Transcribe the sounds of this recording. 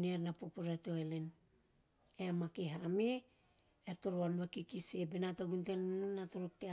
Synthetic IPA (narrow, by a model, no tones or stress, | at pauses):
neɾnapopoɾetoelen | eamakeɦame | eɾtoɾoanβakikisebenatoɡuntennnatoɾokte